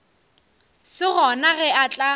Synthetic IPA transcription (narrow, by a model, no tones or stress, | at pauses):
sɪɣɔnaɣɛat͡ɬʼa